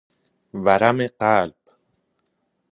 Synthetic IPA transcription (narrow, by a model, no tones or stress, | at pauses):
vaɾameqaːlp